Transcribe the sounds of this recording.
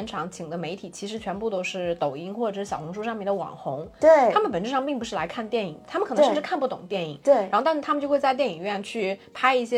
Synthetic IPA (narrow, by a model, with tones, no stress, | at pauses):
ɛ˧˥nʈ͡ʂʰɑ˧˥ŋt͡ɕʰi˨˩ŋd̪ə˦me˧˥ɪt̪ʰi˨˩t͡ɕʰi˧˥ʂɻ̩˧˥t͡ɕʰɥɛ˧˥npu˥˩t̪o˥ʊʂɻ̩˥˩t̪o˨˩ʊi˥ŋxwɔ˥˩ʈ͡ʂə˨˩ʂɻ̩˥ɕjɑ˨˩ʊxʊ˧˥ŋʂ̬u˥˧ʂɑ˥˧ŋmjɛ˥˩nd̪ə˧wɑ̰˨˩ŋxʊ˧˥ŋwe˥˩a˥mə˨npə˨˩nʈ͡ʂɻ̩˥ʂɑ˥˧ŋpi˥˩ŋpu˧˥ʂɻ̩˥˩la˧˥ɪkʰa˥˧nt̪jɛ˥˩ni˨˩˦ŋt̪ʰa˥mə˨nʰ˨˩˧ʂ̩˧˥kʰa˥˧pu˥˩ʊ˨˩ŋət̪jɛ˥˩ni˨˩˦t̪e˩˥˩ɻa˧˥xt̪ʂ̩˥˩t̪ʰa˥m˨˧t͡ɕjo˥˧ʊxwt͡sa˥˧ɪt̪jɛ˥˩ni˨˩ŋɥɛ˥˧nt͡ɕʰy˥˩pʰa˥ɪi˥˩ɕjɛ˥